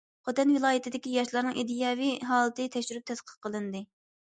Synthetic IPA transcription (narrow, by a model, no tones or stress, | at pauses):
χʰot̪ɛnvɨlˠɑːjɪt̪ʰɪd̪ɪkʲijɑʃlˠɑɾnɨŋʔed̪ijɑːvijɦɑːlˠɨt̪ɨt̪ʰɛkʃyɾyp̚t̪ʰɛsqʰə̥qʰəlˠɨnd̪ɨ